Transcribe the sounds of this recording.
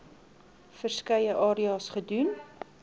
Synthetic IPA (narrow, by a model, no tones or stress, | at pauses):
fərskəjəʔɑːɾiɑːsχədʉn